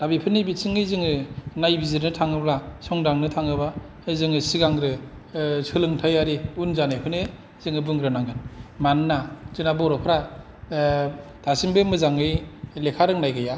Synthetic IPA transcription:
d̥abipʰɯnɯbisiŋɯjzɯŋɯnajbiziɾnɯtʰaŋɯblasɔŋdaŋnɯtʰaŋɯba | ɯjzɯŋɯsiɡaŋɾɯ | sʰɯlɯŋtʰajaɾiunzanɯjpʰɯne | z̥ɯŋɯbɯŋɾɯnaŋɡɯnmannaz̥ɯnabɔɾɔpʰɯɾa | d̥asimbɯmɯzaŋɯjlekʰaɾɯŋnajɡɯja

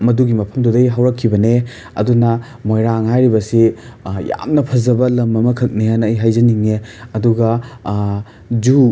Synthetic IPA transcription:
mɐduɡimɐpʰɐmdudɐjɦɐwɾɐkʰːibɐne | ɐ̰dunɐ | mojɾaŋhajɾibɐsija̰mnɐpʰɐzɐbɐlɐmɐmɐkʰɐk̚nejanːjɦajzɐniŋeɐduɡɐ | d͡ʒu

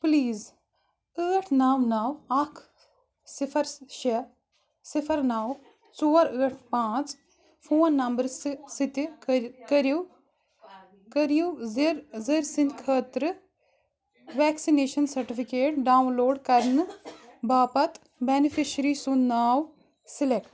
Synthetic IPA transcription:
pliːz | əːʈʰnaːwnaːwɐkʰ | sifʰɐɾʃɐ | sifʰɐɾnaːw | t͡soːɾəːʈʰpãːt͡s | pfʰoːnːɐmbɐɾssit̪ikɐɾju | kɾuzɾziɾsinkʰəːt̪ɾɨ | ʋɛːksineːʃɐnsɐɾʈifʰikeːʈɖaːunloːɖkɐɾnɨbaːpɐt̪ | benifʰiʃɾiːsunnːaːw | silekʈ

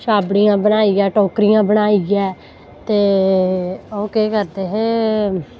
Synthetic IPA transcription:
ʃaːbɽijãːbənaːiɛːʈoːkɾijãːbəɽaːiɡɛː | t̪eː | oːkeːkəɾd̪eːɦeː

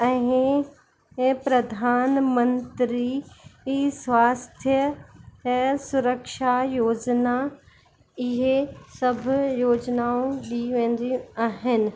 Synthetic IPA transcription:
ɛ̃ː | pɾɐd̪ʱaːnmɐ̃nt̪ɾi | sʋaːst̪ʰjə | sʊɾəkʃajoːd͡ʑna | ɪɦesɐbʱjoːd͡ʑnaõɗiʋẽːn̆d̪iaːɦɪnɪ̆

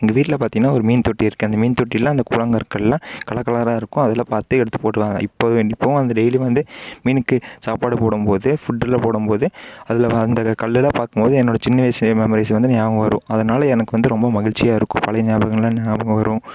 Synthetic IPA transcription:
ɪŋɡɐʋiːʈːɪlɐpaːɾt̪ĩːŋɡɐnːaːɔɾɯmiːnt̪ɔʈːiɪɾɯkːɯɐnd̪ɐmiːnt̪ɔʈːijlːãːɪnd̪ɐkuːlɐŋɡɐɾkːɐɭlãːkɐɭɐkːɐlaːɾaːɪɾɯkːʊ̃ɐðɐlːãːpaːɾt̪ːɯɛɽɯt̪ːɯ̥poːʈːɯʋaːŋɐ̰ɪpːɐɪpːɐʋʊ̃ɐnd̪ɐɖɛɪliʋɐnd̪ɯmiːnɯkːɯsaːpaːɽɯpoːɽɯmpoːðɯfʊʈːɪlɐpoːɽɯmpoːðɯɐðɪlɐɐnd̪ɐkɐɭːɪlɐpaːɾkɯmpoːðɯɛnːoːɽɐt͡ʃɪnːɐʋeːsɐɐmɛmɔɾisʋɐnd̪ɯnjaːʋɐɡɐʋɐɾʊ̰̃ɐðɐnaːlɐɛnɐkːɯʋɐnd̪ɯɾɔmbɐmɐɣɪɭt͡ʃːɪjaːɪɾɯkːʊ̃pɐlɐɪnjaːbɐɣɐnɪlãːnjaːbɐŋɡɐʋɐɾʊ̃

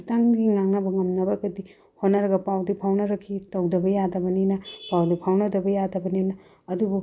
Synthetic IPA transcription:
taŋɡiŋaŋnɐbɐŋɐmnɐbɐɡɐdi | honɐɾɐɡɐpawdipʰawnɐɾɐkʰːitɐwdɐbɐjadɐbɐninɐpawdipʰawnɐdɐbɐjadɐbɐninɐ | ɐdubu

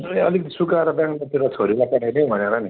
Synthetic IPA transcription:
ʌlik̪̚sukaɾʌbjãŋklat̪iɾʌt͡sʰoɾilapaʈʰanĩbʱʌneɾʌni

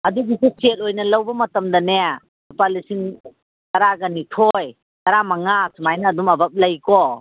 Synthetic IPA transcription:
ɐduɡiseset̚ojnɐlɐwbɐmɐtɐmdɐneja | upalisiŋ | tɐɾaɡɐnitʰoj | tɐɾamɐŋasmajnɐːdumɐbɐp̚lɐjkɔ

